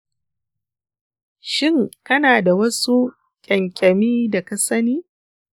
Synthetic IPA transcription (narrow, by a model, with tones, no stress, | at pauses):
ʃɪ˦˨ŋkɐ˦naː˨da˨wɐ˦su˦ | kʲʼɐ˨ŋkʲʼɐ˨miː˦da˨ka˨sɐ˦niː˦